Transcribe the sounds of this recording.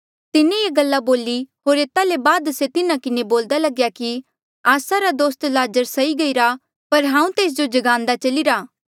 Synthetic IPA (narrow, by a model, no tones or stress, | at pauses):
t̪ɪnẽjeːɡɐlːaboːliɦoːɾeːt̪alebaːd̪set̪ɪnãkɪneboːld̪alɐɡjaki | aːsaɾad̪oːst̪laːd͡ʒəɾsɐiɡɐiɾa | pɐɾɦãːũt̪eːs̬d͡ʒod͡ʒɐɡãːnd̪at͡ʃɐliɾaː